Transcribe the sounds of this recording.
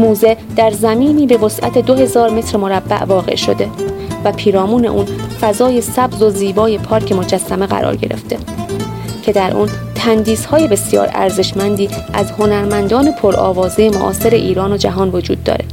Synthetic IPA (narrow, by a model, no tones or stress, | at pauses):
muːze̞ | d̪̥æɾzæmiːniːbe̞vo̞sʔæ̰t̪ʰe̞d̪oɦe̞zɒːɾme̞t̪ʰɾemo̞ɾæbːæ̰ʔvɒːɣe̞̰ʃo̞̰d̪e̞væpʰiːɾɒːmuːneʔuːnfæzɒːje̞sæbzo̞ziːbɒːje̞pʰɒːɾcʰe̞mo̞d͡ʒæsːæme̞ɣæ̰ɾɒ̰ːɾɟe̞ɾḛft̪e̞ | cʰe̞d̪æɾʔṵnt̪ʰænd̪iːshɒːje̞be̞sjɒ̰ːɾæ̰ɾze̞ʃmænd̪iːʔæzho̞næɾmænd̪ɒːne̞pʰoɾɒ̰ːvɒːzejemoʔɒːse̞ɾe̞ʔiːɾɒːno̞d͡ʒæɦɒːnvo̞d͡ʒṵːd̪̚ːɒ̰ːɾe̞